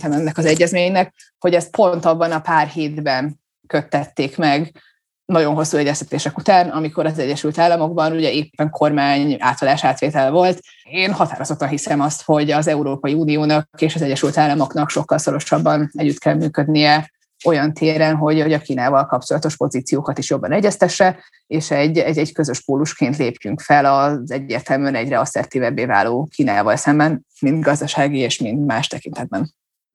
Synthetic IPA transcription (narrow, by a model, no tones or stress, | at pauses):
t̪ɛmɛnːɛkɒzɛɟːɛzmeːɲnɛk | ho̞ɟɛst̪̚pʰo̞nt̪ɒbːɒnɒpaːrheːd̪bɛn | kø̞t̪ːɛt̪ːeːkmɛɡ | nɒɟo̞nɦo̞sːuɛɟːɛst̪ɛt̪eːʃɛkut̪aːnɒmiko̞ɾɒzɛɟːɛʃylt̪aːlːɒmo̞ɡbɒnuɟɛeːpːɛŋkʰo̞rmaːɲa̰ːt̪ɒd̪aːʃaːt̪ʋeːt̪ɛlvo̞lt̪ | eːnhɒt̪a̰ːɾo̞zo̞t̪ːɒnɦisɛmɒst̪ho̞ɟɒzɛuɾoːpɒiuːnijoːnɒkkeːʃɒzɛɟːɛʃylt̪aːlːɒmo̞knɒkʃo̞kːɒlso̞ɾo̞ʃɒbːɒnɛɟːyt̪kʰɛlmyːkød̪nijɛ | o̞jɒnt̪ʰeːɾɛnɦo̞ɟoɟɒkiːnaːvɒlkɒpt͡ʃo̞lɒt̪o̞ʃpo̞ziːt̪sijoːkɒt̪iʃjo̞bːɒnɛɟːɛst̪ɛʃːɛ | eːʃɛɟːɛɟːɛɟkø̞zø̞ʃpoːluʃkeːnt̪leːpjyŋkfɛlɒzɛɟːeːrt̪ɛlmyɛnɛɟrɛɒsɛ̰rt̪iːvɛbːeːva̰ːloːkiːna̰ːvɒlsɛmbɛn | mind̪ɡɒzd̪ɒʃaːɡieːʃmint̪maːʃt̪ɛkint̪ɛd̪bɛn